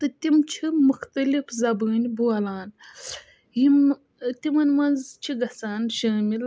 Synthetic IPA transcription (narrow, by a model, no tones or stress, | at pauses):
t̪ɨt̪imt͡ʃʰimuxt̪ɐlifzɐbɨːnʲbuɐlaːn | jim | t̪imɐnʲmɐnzt͡ʃʰiɡɐsaːnʃəːmil